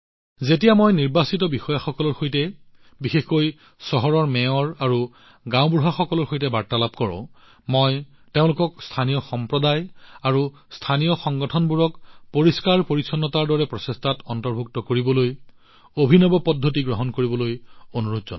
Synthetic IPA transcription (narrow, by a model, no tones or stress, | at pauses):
zetijamojniɹbasitɔbixɔjaxɔkɔlɔɹxojtɛ | bixexkoj | sɔɦɔɹɔɹmɛɔɹaɹu | ɡãʊbɹuɦaxɔkɔlɔɹxojtɛbaɹtalap̚kɔɹɔ̰̃ | mɔj | teʊ̃lʊkɔkstʰanijɔxɔmpɹɔdajaɹu | stʰanijɔxɔŋɡɔtʰɔnbuɹɔkpoɹiskaɹpoɹisʰɔnːɔtaɹdɔɹɛpɹɔsestʰatɔntɔɹbʱuk̚tɔkoɹibɔloj | obʱinɔbɔpɔdʱːotiɡɹɔɦɔnkoɹibɔlojonuɹutzɔn